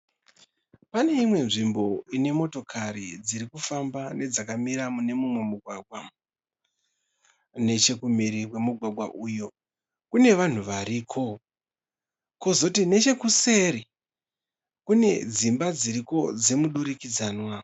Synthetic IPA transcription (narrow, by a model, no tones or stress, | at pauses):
pane̞imwe̞nʐimbo̞ine̞mo̞to̞kʰaɾid͡ziɾikufambane̞d͡zakamiɾamune̞mumwe̞muɡʱwaɡ̚ʱwa | ne̞t͡ʃe̞kumiɾikwe̞muɡʱwaɡʱwa̰ʔujo̞ | kune̞ʋan̤uʋaɾiːkʰo̞ | ko̞zo̞tine̞t͡ʃe̞kuse̞ɾi | kune̞d͡zimbad͡ziɾiko̞d͡ze̞muɗuɾikid͡zaːnwa